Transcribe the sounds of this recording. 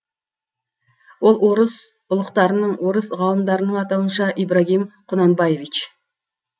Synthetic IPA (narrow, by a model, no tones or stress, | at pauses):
wo̞lˠwoɾəs | ʊlˠəqt̪ɑɾənəɴwo̞ɾəsʁɑlˠəmd̪ɑɾənəɴɑt̪ɑwənʃɑʔibɾaɦimqʰʊnɑnbɑjevit͡ʃ